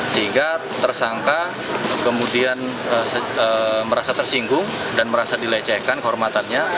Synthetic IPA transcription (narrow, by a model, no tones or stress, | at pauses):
səɦiŋɡa | t̪ərsaŋka | kəmudian | əsəəməɾasat̪ərsiŋɡʊŋ | danməɾasadilet͡ʃɛhkankəɦɔrmat̪anɲa